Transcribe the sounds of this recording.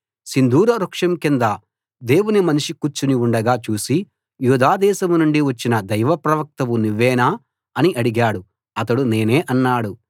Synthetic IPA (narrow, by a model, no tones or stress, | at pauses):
sind̪ʱuːɾɐɾukʂɐmkind̪ɐ | d̪e̞ːwunimɐniʂikut͡ʃːuniuɳɖɐɡaːt͡ʃuːsi | juːd̪aːd̪ɛːsɐmunuɳɖiʋɐt͡ʃːinɐd̪ɐjʋɐpɾɐʋɐk̚t̪ɐʋuniʋːɛːnaː | ɐniʔɐɽiɡaːɽu | ɐt̪ɐɽune̞ːne̞ːʔɐnːaːɽu